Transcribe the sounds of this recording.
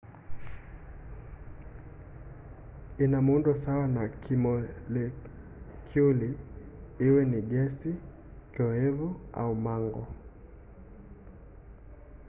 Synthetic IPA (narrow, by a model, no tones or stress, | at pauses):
inamundɔsawanakimɔlɛ | kʰjuli | iwɛniɡɛsi | kɔɛvua̰umaŋɡɔ̰